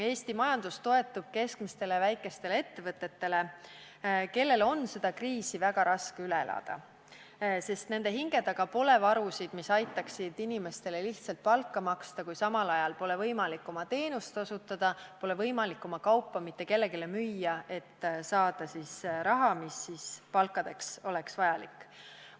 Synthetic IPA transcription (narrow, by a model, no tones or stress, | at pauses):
e̞ːst̪imɑjɑnd̪̥ust̪o̞e̞t̪ːˑub̥̚ke̞skmist̪e̞levæjkːˑe̞st̪e̞leet̪ːe̞vɤt̪ːˑe̞t̪ːe̞le̞ | ke̞lːe̞lo̞nse̞d̪̥ɑkriːsivæɡ̥ɑɾɑskeyleelʔɑ̰d̪̥ɑ̰ | se̞st̪ne̞nd̪̥e̞ɦiŋɡe̞d̪̥ɑɡ̥ɑpo̞le̞vɑɾusid̪misɑjt̪ːˑɑksid̪inime̞st̪e̞le̞liht̪sɑlt̪̚pɑlkˑːɑmɑkst̪ɑkujsɑmɑlɑjɑlpo̞le̞vɤjmɑlikːˑo̞mɑt̪e̞ːnust̪o̞sut̪ːˑɑd̪̥ɑpo̞le̞vɤjmɑlikːˑo̞mɑkɑwpːɑmit̪ːˑe̞ke̞lːe̞ɡelemyjːɑe̞t̪ːsɑːd̪̥ɑsisɾɑɦɑmisːispɑlkˑːɑd̪̥e̞kso̞le̞ksvɑjɑlḭkːˑ